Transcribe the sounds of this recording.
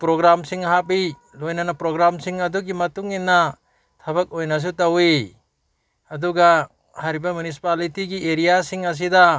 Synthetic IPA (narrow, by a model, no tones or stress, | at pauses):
pɾoɡɾamsiŋɦapi | lojnɐnɐpɾoɡɾamsiŋɐduɡimɐtuŋinːɐ | tʰɐbɐk̚ojnɐs̬utɐwi | ɐduɡɐ | hajɾibɐmjunis̬i̥palitiɡieɾijasiŋɐs̬idɐ